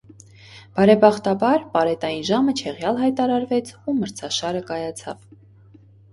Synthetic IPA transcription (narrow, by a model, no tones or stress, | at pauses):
b̥ɑɾɛbɑχt̪ɑbɑɾpɑɾɛt̪ɑjinʒɑmət͡ʃʰɛʁjɑlɦɑjt̪ɑɾɑɾvɛt͡sʰuməɾt͡sʰɑʃɑɾəkɑjɑt͡sʰɑ̰v